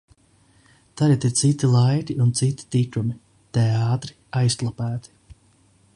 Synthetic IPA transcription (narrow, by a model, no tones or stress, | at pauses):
t̪aɾat̪iɾt̪sit̪ːilˠajɾiunt̪sit̪i̥t̪ikɾumi | t̪ɛɑːt̪ɾi̥ | ajst̪lˠapæːt̪i̥